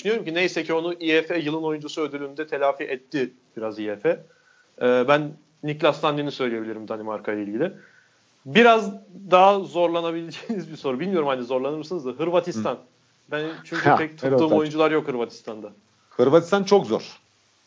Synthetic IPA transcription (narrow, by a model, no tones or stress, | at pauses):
d̪yʃynyjo̞ɾumcinejisɛcʰio̞nuʔiɛfɛjɯlˠɯno̞jund͡ʒusuød̪ylʲynd̪ɛt̪ʰe̞lʲaːfiʔɛt̪ʰːɪ | b̥iɾaziɛfɛ | ɛːbænː | iclʲast̪and̪inisø̞jlʲijebilʲiɾimd̪animaɾkʰajlˠailʲɟilʲɪ | biɾazd̪aɦazo̞ɾlˠanabilʲed͡ʒeːnizbiso̞ɾubilʲmijo̞ɾumhanizo̞ɾlˠanɯɾmsɯnɯzd̪ɯɦɯɾvat̪ʰist̪ʰan | bænt͡ʃʰyɲʲyɛc̚t̪ʰɯɯːmo̞jund͡ʒulˠaɾjokhɯɾvat̪ʰi̥st̪ʰand̪a | hɯɾvat̪ʰi̥st̪ʰant͡ʃʰo̞kzo̰ɾ̥